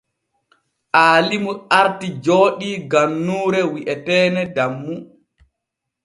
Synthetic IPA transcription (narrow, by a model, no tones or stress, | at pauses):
ʔaːlimuʔaɾtid͡ʒoːɗiɡanːuːɾɛwiʔɛtɛːnɛdamːu